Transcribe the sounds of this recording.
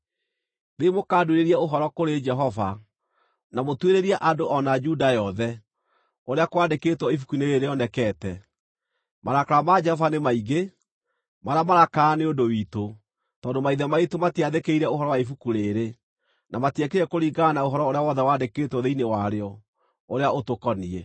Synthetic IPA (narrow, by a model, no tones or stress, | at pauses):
ðeimokaːduɾeɾiɛoɦɔɾɔkoɾed͡ʒɛɦɔva | namotweɾeɾiaʔadoʔɔnad͡ʒudajɔðɛ | oɾeakwaːndeketwɔifukuineɾeɾeɔnɛkɛːtɛ | maɾakaɾamad͡ʒɛhɔvanemaiɡe | maɾamaɾakaneondowito | tɔːndomaiðɛmaitomatiaðekeiɾɛoɦɔɾɔwaifukuɾeɾe | namatɛkeɾɛkoɾiɡanaoɦɔɾɔoɾeawɔðɛwaːndekeːtwɔðeinewaɾeɔ | oɾeaotokɔniɛ